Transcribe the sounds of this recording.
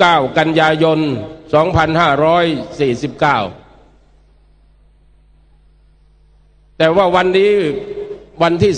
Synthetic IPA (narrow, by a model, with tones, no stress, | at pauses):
aː˥˩wka˧njaː˧jo˧nsɔː˩˦ŋpʰa˧nhaː˥˩ɾɔː˦˥jsiː˨˩si˨˦p̚kaː˥˩w | t̪ɛː˨˩waː˥˩wa˧nːiː˦˥ | wa˧nt̪ʰiː˥˩